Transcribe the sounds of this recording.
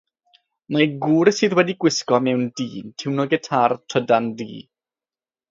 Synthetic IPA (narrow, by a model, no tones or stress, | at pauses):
maɡuːɾɪsɨːðwɛdiɡwɪskɔmɛwndiːntʰɪwnoɡɛtʰartʰədandḭː